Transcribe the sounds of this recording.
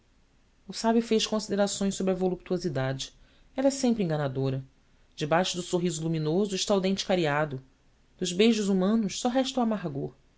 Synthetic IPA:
ʊsabjufejʃkõsid̪eɾasõj̃sobɾɐvolup̚t̪uozid̪ad͡ʒɪ | ɛlɐsẽmpɾɪĩŋɡɐnad̪oɾɐ | d͡ʒɪbajʃʊd̪ʊsoɦizʊlumĩnozʊɪʃt̪awd̪ẽnt͡ʃɪ̥kaɾiad̪ʊ | d̪̥ʊzbejʒʊzumɐ̃nʊʃsɔɦɛʃt̪ɐwamaɦɡoɾ

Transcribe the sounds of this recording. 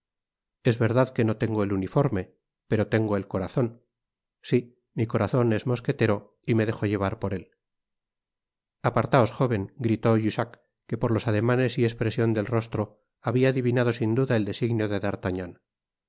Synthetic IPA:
e̞zβe̞ɾðaðke̞no̞t̪e̞ŋɡoelunifo̞ɾme̞ | pe̞ɾo̞t̪e̞ŋɡo̞e̞lko̞ɾaθo̞n | si | miko̞ɾaθo̞ne̞zmo̞ske̞t̪e̞ɾo̞ | ime̞ðe̞xo̞ʝe̞β̞aɾpo̞ɾe̞l | apaɾt̪ao̞sxo̞β̞e̞ŋɡɾit̪o̞ʝusakː | e̞po̞ɾlo̞saðe̞mane̞sie̞spɾe̞sjo̞nd̪e̞lro̞st̪ɾo̞ | aβiaːðiβinað̞o̞sind̪uðaeld̪e̞siɣnjo̞ðe̞ðaɾt̪aɲan

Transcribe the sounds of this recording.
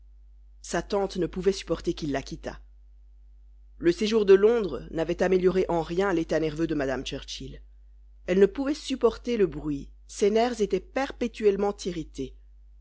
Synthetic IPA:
sat̪ɑ̃t̪nəpuvɛsy̥pɔʁt̪ekʲilːakʲit̪a̰ | ləseʒuʁd̪əlɔ̃d̪ʁnavɛt̪ameljɔʁeʔɑ̃ʁjɛ̃let̪anɛʁvød̪əmad̪amt͡ʃɛʁt͡ʃil | ɛlnəpuvɛsypɔʁt̪eləbʁɥi | senɛʁvzet̪ɛpɛʁpet̪yɛlmɑ̃t̪ʰiʁit̪e

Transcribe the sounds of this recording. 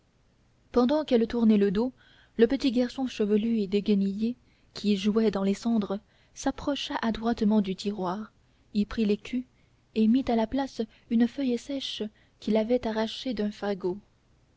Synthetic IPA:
pɑ̃d̪ɑ̃kɛlt̪uʁnɛləd̪o | ləpət̪iɡaʁsɔ̃ʃəvəlyed̪eɡʲənije | kʲʰiʒuɛd̪ɑ̃lesɑ̃d̪ʁə | sapχɔʃaʔad̪ʁwat̪mɑ̃d̪yt̪ʰiʁwaːʁ | ilpχilekʲʰy | emit̪alaplas | ynfœjsɛʃ | kʲilavɛt̪aʁaʃed̪œ̃faɡo

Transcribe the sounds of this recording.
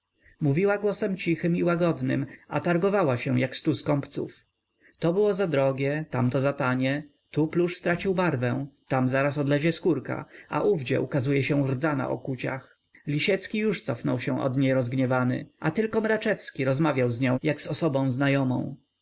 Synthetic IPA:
muvʲiwaɡwɔsɛmt͡ɕixɘmiwaɡɔd̪nɘ̰ma̰t̪aɾɡɔvawaɕɛ̃jakst̪uskɔmpt̪sṵf | t̪ɔbɘwɔzad̪ɾɔɡʲjɛt̪amt̪ɔzat̪aɲɛ | t̪upluʂst̪ɾat͡ɕiwbaɾvɛ̃t̪amzaɾasɔd̪lɛʑɛskuɾka̰ʔa̰ʔuvd͡ʑɛ̰ʔukazujɛɕɛrd̪zana̰ʔɔ̰kut͡ɕa̰x | lʲiɕɛt̪skʲijuʂt̪sɔfnɔwɕɛ̃ʔɔ̰d̪ɲejɾɔzɡɲɛvanɘ̰ʔat̪ɘlkɔmɾat͡ʂɛfskʲiɾɔzmavʲjawzɲɔ̃w̃jaɡsɔsɔbɔ̃w̃znajɔmɔ̰̃w̃

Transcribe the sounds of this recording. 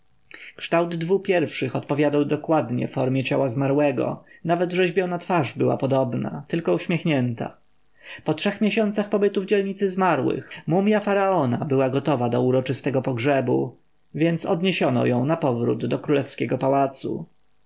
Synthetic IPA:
kʂt̪awd̪ːvupʲjɛɾfʂɘxɔt̪̚pɔvʲjad̪awd̪ɔkwad̪ɲɛ̰fɔɾmʲjɛt͡ɕawazmaɾwɛɡɔ̰navɛd̪ʐɛʑbʲjɔnat̪faʐbɘwa̰pɔd̪ɔbna̰t̪ɘlkɔuɕmʲjexɲɛnt̪a̰ | pɔtʂɛxmʲjɛɕɔnt̪saxpɔbɘt̪uvd͡ʑɛlɲit̪sɘzmaɾwɘ̰xmumʲjafaɾaɔnabɘwaɡɔt̪ɔvad̪ɔuɾɔt͡ʂɘst̪ɛɡɔpɔɡʐɛbu | vʲjɛnt̪sɔd̪ɲeɕɔnɔ̰jɔ̃w̃napɔvɾṵd̪ːɔkɾulɛfskʲɛɡɔpawat̪sṵ

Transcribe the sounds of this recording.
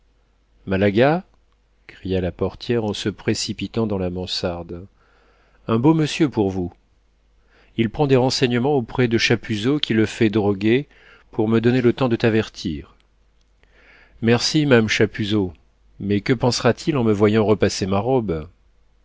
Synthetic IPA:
malaɡa | kχijalapɔʁt̪jɛʁɑ̃səpχesipit̪ɑ̃d̪ɑ̃lamɑ̃saʁd̪ | ɛ̃boməsjøpuʁvu | ilpχɑ̃d̪eʁɑ̃sɛɲəmɑ̃opχɛd̪əʃapyzokʲiləfɛd̪ʁɔɡʲe | puʁməd̪ɔnelət̪ɑ̃d̪ət̪avɛʁt̪ʰiːʁ | mɛʁsimaamʃapyzo | mɛkəpɑ̃sʁat̪ʰilɑ̃məvwajɑ̃ʁəpasemaʁɔb

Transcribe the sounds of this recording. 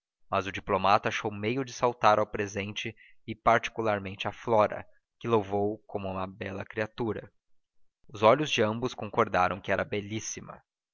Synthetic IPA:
mɐzʊd͡ʒiplomat̪ʊaʃowmejʊd͡ʒɪsawt̪aɾawpɾezẽnt͡ʃɪ | ɪpaɾt͡ʃi̥kulaɾmẽnt͡ʃɪaflɔɾɐ̰ | kɪlowvowkõmʊũmɐbɛlɐkɾiat̪uɾɐ | ʊzɔʎʊzd͡ʒɪɐ̃mbʊskõŋkoɾd̪aɾɐ̃w̃kɪɛɾɐbeʎisimɐ̰

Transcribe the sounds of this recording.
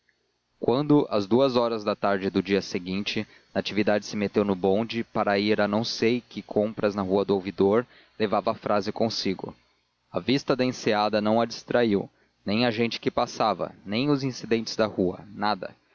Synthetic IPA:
kwɐ̃nd̪ʊʔɐ̰zd̪uɐzɔɾɐzd̪ɐt̪aɾd͡ʒɪd̪ʊd͡ʒiɐseɡĩnt͡ʃɪ | nat͡ʃivid̪ad͡ʒɪsɪmet̪ewnʊbõd͡ʒɪpaɾɐiɾɐnɐ̃w̃sejkɪkʰõmpɾɐznɐɦuɐd̪ʊawvid̪oɾ | levavɐːfɾʔazɪkõsiɡʊ̰ | ɐvist̪ɐd̪ɐẽsead̪ɐnɐ̃w̃ɐd͡ʒist̪ɾaiw | nẽj̃ɐʒẽnt͡ʃɪ̥kɪpasavɐ̰nẽj̃ʊzĩsid̪ẽnt͡ʃɪ̥zd̪ɐhuɐ̰nad̪ɐ̰

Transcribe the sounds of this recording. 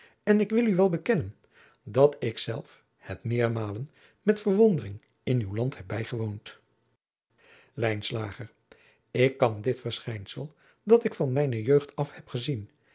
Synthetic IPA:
ɛnɪkʋɪlˠyʋɛlˠbəkɛnən | dɑtɪksɛ̰lˠf | hɛtmɪːɹmaːlən | mɛtfəɹʋɔndərɪŋ | ɪnywlɑnthɛb̚bɛjχəʋownt | lɛjnslaːχəɹ | ɪkːɑndɪtfəɹsχɛjnsəlˠ | dɑtɪkfɑnmɛjnəjøɥχtɑfhɛpχəzin

